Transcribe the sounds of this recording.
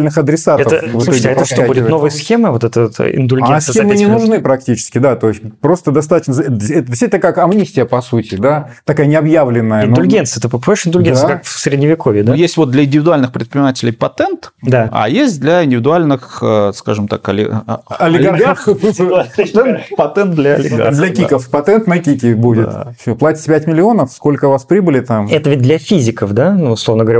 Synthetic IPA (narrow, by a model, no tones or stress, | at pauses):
lʲnɨxɐd̪ɾʲɪsatɛət̪əvsɨt̪oɡʲɪɛp̪əsʂt̪oabudʲɪt̪novɨjəsxʲemɨvot̪ɛt̪ət̪ɪ̰nd̪ʊlʲɡʲeasxemnʲɪnʊʐnɨpɾɐk̚tʲit͡ɕɪ̥skʲɪd̪at̪o̞ɪsʲpɾo̞st̪əd̪ɐst̪at̪ət͡ɕnəzɛt̪ədʲɪsʲit̪ʲnəkakɐmnʲisʲtʲɪjəpɐsutʲɪd̪at̪ɐkajənʲɪɐbjavlʲɪnːəjənd̪ʊlʲɡʲent̪sɨjət̪ɨppoɪʂɪnd̪ʊlʲɡʲensəkakfsʲɾʲɪdʲnʲɪvʲɪkovʲjɪd̪jesʲtʲvot̪̚d̪lʲɐɪnʲdʲɪvʲɪd̪ʊalʲnɨxpɾʲɪt̪pʲɾʲɪnʲɪmatʲɪlʲɪjpɐt̪ɛnt̪d̪aa̰jesʲt̚ʲd̪lʲɐɪnʲdʲɪvʲɪd̪ʊalʲnɨxəskaʐɨmt̪a̰kɐlʲɪɐlʲɪɡɡ | ɐt̪ɛnt̪pɐt̪ɛnt̪̚d̪lʲɐɐlʲɪ̰ɡa̰dd̪lʲɐkʲikəfpɐt̪ɛnt̪nɐkʲikʲɪbudʲɪt̪fsʲoplˠatʲɪ̥tʲpʲætʲmʲɪlʲɪo̞nəfsko̞lʲkəvaspɾʲibɨlʲɪt̪amɛt̪əvʲɪt̚ʲd̪lʲɐfʲizʲɪkəfd̪anuʊslˠovnəɡəvɐɾʲa